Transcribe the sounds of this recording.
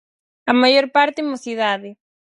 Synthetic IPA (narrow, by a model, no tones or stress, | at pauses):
amajoɾpaɾt̪ɪmoθiðaðɪ